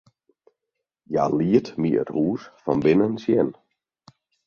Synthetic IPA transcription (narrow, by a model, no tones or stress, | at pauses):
ja̰ːliətmiə̰thuːsfɔnbɪnənsjɛn